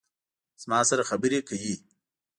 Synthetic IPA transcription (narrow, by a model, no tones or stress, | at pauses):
z̥mɑːsɐɾaxabəɾekʰawi